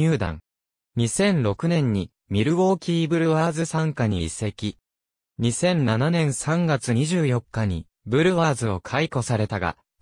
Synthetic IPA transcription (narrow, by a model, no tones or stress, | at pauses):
ɯːd̪ã̰ŋ | ɲ̟isẽ̞nɾo̞kɯ̟nẽ̞ɲ̟ːi | mʲiɾɯ̟βo̞ːkʲiːbɯ̟ɾɯ̟βaːzɨsãŋkaɲ̟iːse̞kʲi | ɲ̟isẽ̞nnananẽ̞ɰ̃sãŋɡat͡sɨɲ̟iʑɨːjo̞kːaɲ̟ḭ | bɯ̟ɾɯ̟βaːzɨo̞kʰaiko̞saɾe̞t̪aɡa̰